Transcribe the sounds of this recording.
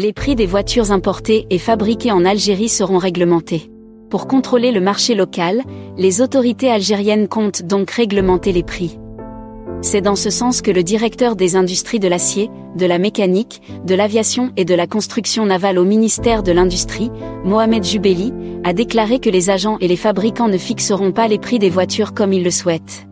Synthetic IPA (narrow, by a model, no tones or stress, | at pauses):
lepχid̪evwat̪ʰyʁzɛ̃pɔʁt̪eʔːfabʁikʲeɑ̃nalʒeʁisəʁɔ̃ʁɛɡləmɑ̃t̪e | puʁkɔ̃t̪χoleləmaʁʃelɔkalːezot̪ɔʁit̪ealʒeʁjɛnkɔ̃t̪d̪ɔ̃kʁɛɡləmɑ̃t̪elepχi | sɛd̪ɑ̃səsɑ̃skələd̪iʁɛkt̪œʁd̪ezɛ̃d̪yst̪χid̪əlasje | d̪əlamekanik | d̪əlavjasjɔ̃ed̪əlakɔ̃st̪χyksjɔ̃navalominist̪ɛʁd̪əlɛ̃d̪yst̪χimɔamɛd̪ʒybeliad̪eklaʁekəlezaʒɑ̃ʔelefabʁikɑ̃nəfiksəʁɔ̃palepχid̪evwat̪ʰyʁkɔmilːəswɛt̪